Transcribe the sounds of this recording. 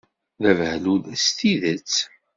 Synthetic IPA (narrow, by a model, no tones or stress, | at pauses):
ðævhluðæst̪iðət͡sː